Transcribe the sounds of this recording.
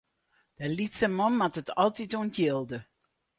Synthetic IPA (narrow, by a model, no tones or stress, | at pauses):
d̥əlitsəmɔmːatətʰɔlˠtituəntjɪlˠdə